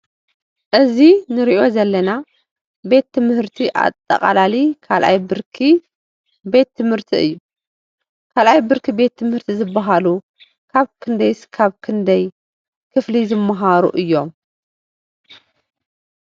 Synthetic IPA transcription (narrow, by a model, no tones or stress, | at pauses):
ʔɨzinɨɾiʔo̞zɐlːɐna | be̞t̪ʰːɨmhɨɾt̪ʰiʔa̰t̪ʼːɐ̰kʼa̰lalikʰalʔa̰jbɨɾkʰi | be̞t̪ʰːɨmhɨɾt̪ʰiɨ̰jːu | kʰalʔajbɨɾkʰibe̞t̪ʰːɨmhɨɾt̪ʰizɨbːaɦalu | kʰaβkʰɨnd̪ɐjskʰaβkʰɨnd̪ɐj | kʰɨflizɨmːaɦaɾṵʔɨjːo̞m